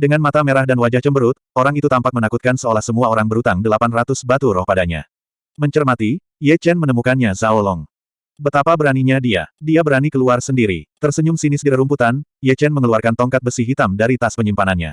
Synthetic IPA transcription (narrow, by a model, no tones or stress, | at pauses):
dəŋanmat̪ameɾahdanwad͡ʒaht͡ʃəmbəɾʊt̪̚oɾaŋit̪ut̪ampak̚mənakut̪̚kansəolahsəmuaoɾaŋbəɾut̪aŋdəlapanrat̪usbat̪uɾɔhpadaɲa̰ | məɲt͡ʃərmat̪i | jɛt͡ʃɛnmənəmukanɲazaolɔŋ | bət̪apabəɾaniɲadia̰diabəɾanikəluarsəndiɾḭt̪ərsəɲʊŋsinɪsɡəɾaɾumput̪anjɛt͡ʃɛnməŋəluarkant̪ɔŋkat̪̚bəsihɦit̪amdaɾit̪aspəɲimpananɲa̰